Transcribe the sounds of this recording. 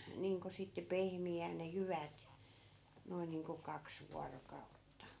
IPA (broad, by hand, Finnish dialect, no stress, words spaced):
niːŋko sitːe pehmiæːn ne jyʋæt noin niːŋko kɑks ʋuɑrokɑutːɑ